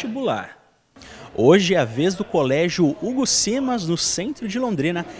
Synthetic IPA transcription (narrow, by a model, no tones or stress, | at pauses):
ibula̰ɾ | oʒɪɛɐvezd̪ʊkolɛʒjʊuɡʊsimɐznʊsẽnt̪ɾʊd͡ʒɪlõnd̪ɾĩnɐ